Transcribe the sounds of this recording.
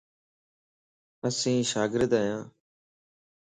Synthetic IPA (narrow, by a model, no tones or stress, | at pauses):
əsĩːʃaːɡɪɾəd̪aːjãː